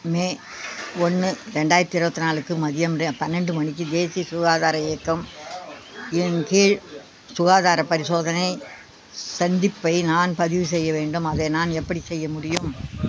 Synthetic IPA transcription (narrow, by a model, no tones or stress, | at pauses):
meː | ɔnːɯɾɛɳɖaːjɪɾɐt̪ːɪɾɯbɐt̪ːɯnaːlɯkːɯmɐðɪjɐmɾepɐnːɛɳɖɯmɐɳɪk̬ːɯd̪eːsijɐsʊɣaːðaːɾɐeːkːɐm | ɛnkiːɻ | sʊɣaːðaːɾɐpɐɾɪsoːðɐnɐɪ | sɐnd̪ɪpːɐɪnaːnpɐðɪʋɯs̬ɛjːɐʋeːɳɖɯmɐðenaːnɛpːɐɽisɛjːɐmʊɽɪjɯm